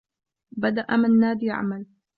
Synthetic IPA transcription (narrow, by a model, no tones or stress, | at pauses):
bad̪aʔamɪnːaːd̪iːʕa̰mal